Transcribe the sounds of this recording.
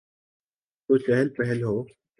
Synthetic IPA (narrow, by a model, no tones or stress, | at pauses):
t̪ot͡ʃɛɦɛlpɛɦɛlɦoː